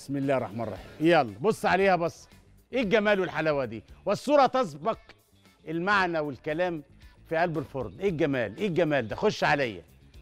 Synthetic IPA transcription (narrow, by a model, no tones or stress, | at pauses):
smɪlːæːɾˤːɑ̰ħmæɑrˤːɑ̰ħḭːmʔjælˤːɑbosˤːʕaleːhæbɑsˤː | ʔeːɡæmæːlwɪlħalæwæd̪iːwæsˤːuːɾˤɑt̪æs̬bɑq | ʔɪlmaʕnæwɪlkælæːm | fiʔælbɪlfoɾˤd̪ʔeːɡæmæ̰ːlʔeːɡæmæːld̪æxoʃːʕalæjːæ̰